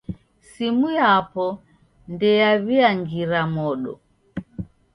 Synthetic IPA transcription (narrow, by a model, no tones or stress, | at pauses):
simujapɔ | ndɛjaβiaŋɡiɾamɔɗɔ̰